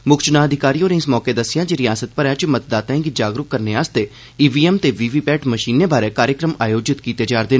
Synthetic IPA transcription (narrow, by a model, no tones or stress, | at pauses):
mʊkt͡ʃnãːəd̪ʱɪkaːɾiːoːneɪsmɔːkeːd̪əsːɪjãːd͡ʒiɾɪjaːsət̪̚pəɾjat͡ʃmət̪̚d̪aːt̪ãɡid͡ʒaːɡɾʊkkəɾneːaːst̪eː | iːʋiːɛːmt̪eːʋiːʋiːpɛːʈməʃiːneːbaːɾeːkaːɾjəkɾəma̰ːjoːd͡ʒɪt̪kiːt̪eːd͡ʒaːɾd̪eː